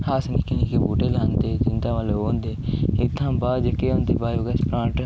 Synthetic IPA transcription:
haːsnikinikebuːʈelaːnd̪eːd͡ʒɪnd̪aːʋaloːnd̪eɪt̪ʰːãːbaːd͡ʒəkeːõnd̪ebaːjoɡɐspɾãːʈ

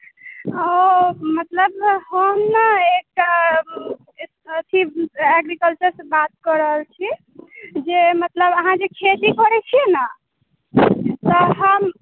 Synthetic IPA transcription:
ɔmət̪ləbɦəmnəek̚ʈa | ət̪ʰiɛɡɾikəlt͡ʃəɾsebat̪̚kəɾəɦəlt͡ʃʰi | d͡ʒemət̪ləbəɦãd͡ʒekʰet̪ikɔɾɛt͡ʃʰienə | t̪ɔɦəm

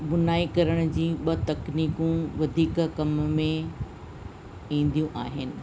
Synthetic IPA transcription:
ɓʊnaːikɐɾəɽ̃ʊ̆d͡ʑiːɓɐt̪ɐkniːkũʋɐd̪ʱiːkkɐmmẽ | ĩːn̆d̪ijũʔaːɦɪnɪ̆

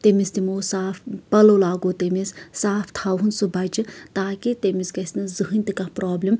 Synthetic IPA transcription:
t̪emist̪imoːsaːfpɐlolaːɡot̪emissaːft̪ʰaɦunsubɐt͡ʃɨt̪aːkit̪emiskɐsʲnɨzɨɦɨnʲt̪ikapɾʔaːblʲim

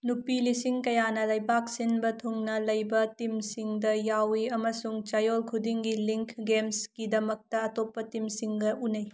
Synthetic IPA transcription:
nupilisiŋkɐjanɐlɐjbak̚sinbɐtʰuŋnɐlɐjbɐtimsiŋdɐjawiɐmɐsuŋt͡ʃajolkʰudiŋɡiliŋkʰɡemskidɐmɐk̚tɐːtopːɐtimsiŋɡɐunɐj

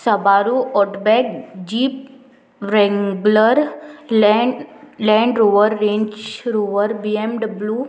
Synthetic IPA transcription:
sɐbaːɾuːɔːʈbɛːkd͡ʒiːp̚ | ɾɛ̃ŋɡləɾ | lɛ̃ːɳɖɾoːʋəɾːẽːɲd͡ʒɾoːʋəɾbiːemɖbluː

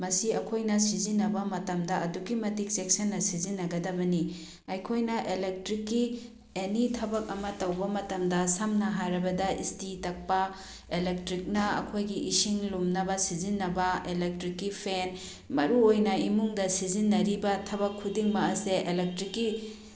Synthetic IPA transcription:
mɐsiɐkʰojnɐsizinːɐbɐmɐtɐmdɐɐduɡimɐtik̚seksɐnːɐsizinːɐɡɐdɐbɐni | ɐjkʰojnɐʔelek̚tɾikːi | enitʰɐbɐk̚ɐmɐtɐwbɐmɐtɐmdɐsɐmnɐɦaɾɐbɐdɐistitɐk̚pɐ | elek̚tɾik̚nɐɐ̰kʰojɡiʔisiŋlumnɐbɐsizinːɐbɐelek̚tɾikːipʰen | mɐɾuojnɐimuŋdɐsizinːɐɾibɐtʰɐβɐkʰːudiŋmɐɐseʔelek̚tɾikːi

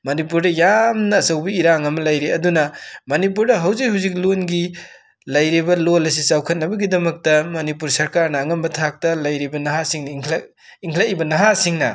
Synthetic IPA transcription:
mɐnipuɾdɐjamnɐːsɐwbɐiɾaŋɐmɐlɐjɾeɐdunɐmɐnip̬uɾdɐɦɐwzikhuwzik̚lonɡi | lɐjɾibɐlolɐs̬isawkʰɐt̚nɐbɐɡidɐmɐk̚tɐmɐnipuɾsɐɾkaɾnɐːŋɐmbɐtʰak̚tɐlɐjɾibɐnɐɦasiŋnɐiŋʰl | iŋkʰlɐibɐnɐɦasiŋnɐ̰

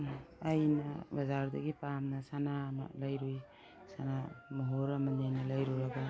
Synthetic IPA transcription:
ajnɐ̰bɐzaɾdɐɡipamnɐsanama̰lajɾuj | sanamoɦoɾɐmɐnjajnɐlajɾuɾaɡa

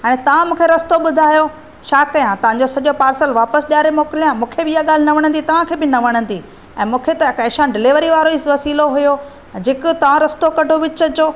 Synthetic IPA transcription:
ɦaːñẽt̪ɐʋ̤ãmũːkʰeɾɐst̪oɓʊd̪ʱaːjo | ʃaːkɐjãt̪ɐʋ̤ãɲd͡ʑosɐʄopaːɾsəlʋaːpəsɗjaːɾemoːkɪlijãmũːkʰebɪijaɠaːl̤ɪnɐʋɐɽ̃ə̃nd̪it̪ɐʋãkʰeːbɪnɐʋɐɽ̃ə̃nd̪iː | ɛ̰̃ːmũːkʰet̪ɐkɐʃãɖɪliʋəɾiʋaːɾoɪsʋɐsiːloɦʊjo | d͡ʑɪkʊ̆t̪ɐʋ̤ãɾɐst̪okɐɖʱoʋɪt͡ɕəd͡ʑoː

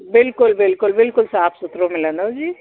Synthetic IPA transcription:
bɪlkʊlbɪlkʊlbɪlkʊlsaːpsʊt̪ɾomɪlə̃nd̪od͡ʒiː

